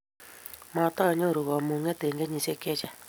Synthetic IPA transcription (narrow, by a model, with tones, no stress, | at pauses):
ma˨t̪a˦˨ɲo˦˨ɾu˨ɣa˨mu˨ŋɛ˦˨t̪e˨ŋɡe˦ɲi˨se˦˨kɛ˦˨t͡ʃɛ˨